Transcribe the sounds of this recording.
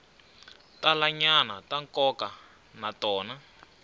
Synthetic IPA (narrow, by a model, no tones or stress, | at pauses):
talaɲanataŋkɔka | natɔːna